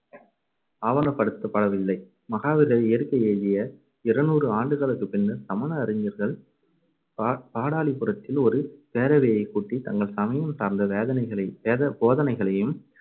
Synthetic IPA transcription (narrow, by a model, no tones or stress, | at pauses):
aːʋɐnɐpːɐɽɯt̪ːɐpːɐɽɐʋɪlːɐɪ | mɐɣaːʋɪɾɣɐɭɪjɐɾkːɐeːðɪjɐ | ɪɾɐnuːrɯaːɳɖɯɣɐɭɯkːɯpɪnːɐsɐmɐnɐːɾɪɲɐɾɣɐɭ | paːɽaːɭipɯrɐt̪ːɪlɔɾɯpeːɾɐʋeːjɐɪkːuːʈːit̪ɐŋɡɐɭsɐmɐjɐmsaːɾnd̪ɐʋːðɐnɐɐɐːɐpoːðɐnɐɪɣɐɭɐjɯm